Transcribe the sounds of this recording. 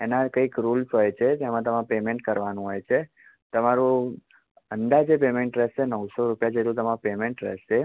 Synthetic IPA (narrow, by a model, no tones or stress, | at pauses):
enakəikɾulsɦojt͡ʃʰed͡ʒemãt̪əmãpemeɳʈkəɾʋanũɦojt͡ʃʰe | t̪əmaɾũ | ənd̪ad͡ʒepemeɳʈɾɛʃenəwsoɾupjad͡ʒeʈlũt̪əmãpemeɳʈɾɛ̰ʃe